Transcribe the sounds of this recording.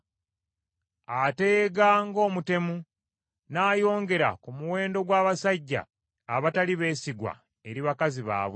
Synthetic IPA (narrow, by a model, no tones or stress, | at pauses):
ate̞ːɡaŋɡo̞ːmute̞mu | naːjo̞ːŋɡe̞ɾa̰kumuwe̞ːndo̞ɡwaːβasaɟːa̰ː | βataliβe̞ːsiɡwa̰ | e̞ɾiβakaziβa̰ːβwe